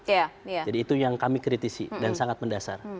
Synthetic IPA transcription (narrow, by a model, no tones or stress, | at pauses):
jajd͡ʒadiːt̪ujaŋkamikɾit̪isḭdansaŋat̪̚məndasa̰r